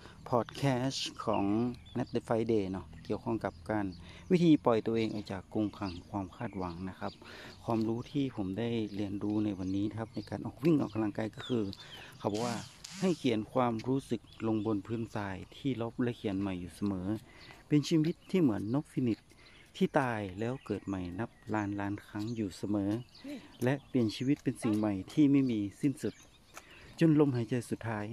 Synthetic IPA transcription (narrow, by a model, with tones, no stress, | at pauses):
pʰɔː˨˩t̪̚kʰɛː˧˥skʰɔ̰ː˩˦ŋnɛ˧˥t̪̚de˧fa˧jdeː˧˩nɔ˧˥ki˨˩əwkʰɔ˧˥˨ŋka˧˦p̚kaː˨n | wi˦˥t̪ʰiː˧pɔ˨˩jt̪u˧əʔeː˧ŋʔaː˨˧˩wt͡ɕaː˨˩kːu˧ŋkʰa˧ŋkʰwaː˧mkʰaː˧˩t̪̚wa˨˦ŋna˧˥kʰa˧p̚kʰwaː˧˥mɾuː˦˥t̪ʰiː˧˩pʰo˩˦mda˥˩jli˧ənduː˧˦na˧˩jwa˧nːiː˦˥na˧kʰa˧p̚na˧˥jkaː˨nʔɔː˨˩k̚wi˧˨ŋʔaː˨˩ka˧la˧ŋkaː˧˩jkɔː˧˩kʰɯː˧kʰa˧˩wbɔː˧waː˧˩ha˧˩jkʰi˨˦ənkʰwaː˧mɾuː˦˥sɯ˨˩k̚lo˧ŋbo˧˥˨npʰɯː˧˥˨nsaː˧jt̪ʰiː˧˩lo˧˦˩p̚lɛ˧˥kʰi˨˩˦ənma˨˩jːuː˨˩sa˧mɤː˨˦pe˨nsiː˧wi˧˥t̪ʰːiː˧˩mɯ˩˦ənːo˧˦˥p̚fi˧˥ni˧˩t̪̚ʰː | iː˧˩t̪aː˧jlɛː˦˧˥wkɤː˨˩t̪̚ma˨˩jna˧˥p̚laː˦˥nlaː˧˥nkʰa˧˥ŋjuː˨˩sa˧mɤː˨˦lɛ˧ʔpi˨ənsiː˧wi˧˥t̪̚pe˨nsi˨˩ŋma˧˩jt̪ʰiː˧˨ma˥˨jmiː˧si˧˥˨nsu˨˧˦t̪̚ | t͡ɕo˧˨nlo˧˥˨mha˨˧˦jt͡ɕa˧˩jsu˨˩t̪ʰːaː˦˥j